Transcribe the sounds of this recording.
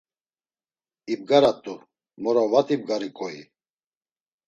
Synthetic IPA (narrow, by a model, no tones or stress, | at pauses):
ib̚ɡaɾat̪ʼu | mɔɾavat̪ʼib̚ɡaɾikʼɔḭ